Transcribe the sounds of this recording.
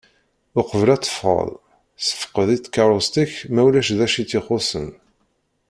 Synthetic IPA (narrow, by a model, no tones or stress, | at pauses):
ʊqəvəlæt͡sːə̥fʁə̰ðˤ | sə̥fə̥qəðit͡sːkɑɾˤost̪içmæwlæʃðæʃit͡sːiχʊsə̰n